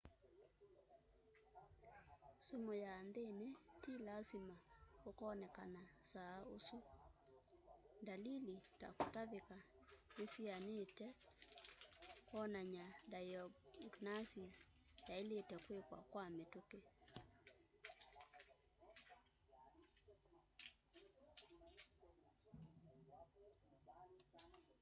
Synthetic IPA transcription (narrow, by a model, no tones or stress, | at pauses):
sumojaːndenetilasimakokɔːnɛkanasaosu | ndalilita̰kotaβeka | nesianetɛ | kwɔnaɲadajɔɡnasisjailetɛkwekwa̰kwametoke